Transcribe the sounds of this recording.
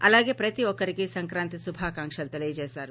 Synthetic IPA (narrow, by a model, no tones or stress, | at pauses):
ɐlaːɡeːpɾɐt̪iʋɔkːɐɾiɡesɐŋkɾaːnt̪isubʱaːkaːŋʂɐlt̪elɐjd͡ʒeːsaːɾu